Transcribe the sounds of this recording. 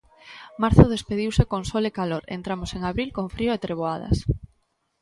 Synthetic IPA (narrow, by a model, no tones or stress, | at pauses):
maɾθʊðespeð̞iwsekoŋsolekaloɾḛnt̪ɾamoseŋaβɾilkoŋfɾioet̪ɾeβ̞oað̞ɐ̰s